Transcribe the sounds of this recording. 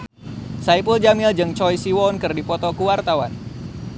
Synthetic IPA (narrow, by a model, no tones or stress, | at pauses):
saipuld͡ʒamild͡ʒɨŋt͡ʃɔjsiwɔnkɨrdipɔt̪ɔkuwart̪awan